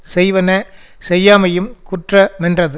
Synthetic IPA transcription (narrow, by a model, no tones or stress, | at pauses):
sɛjʋɐnɐ | sɛjːaːmɐjɯmkʊʈrɐmɛndrɐðɯ